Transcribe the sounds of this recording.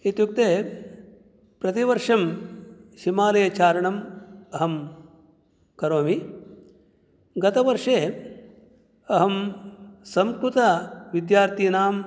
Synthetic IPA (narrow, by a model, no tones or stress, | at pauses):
it̪juk̚t̪eː | pɾɐt̪iʋɐɾʂɐm | ʃimaːlɐjɐt͡ʃaːɾɐɳɐmɐɦɐm | kɐɾoːmi | ɡɐt̪ɐʋɐɾʂeː | ɐɦɐm | sɐmkɾut̪ɐʋid̪jaːɾt̪ʰinaːm